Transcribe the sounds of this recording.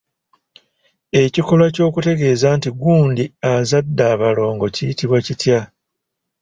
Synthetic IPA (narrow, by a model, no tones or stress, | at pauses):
e̞ciko̞lwaco̞ːkute̞ɡe̞ːzantiɡuːndiazadːaːβalo̞ːŋɡo̞cijitiβwacitja